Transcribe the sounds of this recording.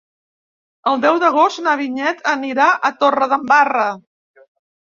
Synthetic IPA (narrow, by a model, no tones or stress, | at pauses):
əlˠd̪ɛwðəɣ̞ost̪nəβ̞iɲɛt̪ʰəniɾaʔət̪orəðəmbarə